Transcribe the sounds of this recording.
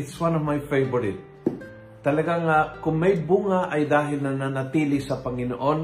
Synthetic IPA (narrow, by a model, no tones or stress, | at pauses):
ɪtswãnɔvmajfejvɔɹɪt̪̚ | t̪ːɐlɐɡaŋakʊŋmajbuŋaʔajd̪aːɦɪlnɐnanat̪iːlɪsɐpɐŋɪno̰ʔon